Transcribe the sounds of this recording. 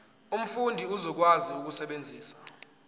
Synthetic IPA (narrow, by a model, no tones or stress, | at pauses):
um̩fundʱiuzɔk̬waziuk̬usɛɓend͡zʱiːsḁ